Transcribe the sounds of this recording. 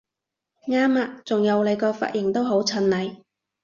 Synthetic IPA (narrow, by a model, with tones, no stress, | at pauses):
ŋaː˥maː˧t͡sʊ˨ŋjɐ˨˧wle˨˧jkɔː˧fa̰ː˧t̚jɪ˨˩ŋt̪o˥wɦo˨˥wt͡sʰɵ˨˧nlɐ˨˩j